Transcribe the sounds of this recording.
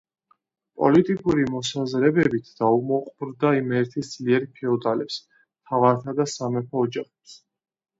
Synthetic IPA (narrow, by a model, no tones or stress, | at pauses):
pʼɔ̰lit̪ʼikʼuɾimɔsazɾɛbɛbit̪ʰd̪̥aumɔqʼbɾd̪aimɛɾt̪ʰisd̪z̥liɛɾpʰɛɔd̪alɛps | t̪ʰavaɾt̪ʰad̪asamɛpʰɔːd͡ʒaχɛps